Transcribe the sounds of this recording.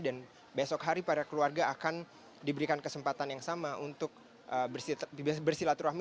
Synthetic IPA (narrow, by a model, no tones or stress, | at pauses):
dan | besɔkɦaɾipaɾakəluarɡaːkan | dibəɾikankəsəmpat̪anjaŋsamaʔunt̪ʊk̚ | ʔə | bərsilat̪uɾami